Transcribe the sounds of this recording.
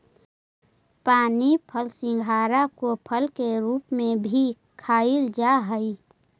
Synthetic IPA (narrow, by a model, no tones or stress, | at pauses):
paːnipʰəlsɪ̃ŋɡʱaːɾakopʰəlkeɾuːpmẽbʱi | kʰaːɪld͡ʒaːɦəi